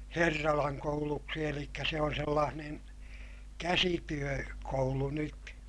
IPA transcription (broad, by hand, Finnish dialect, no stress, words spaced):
herːɑlɑŋ kouluksi elikːæ se on selːɑːnen kæsityø koulu nyt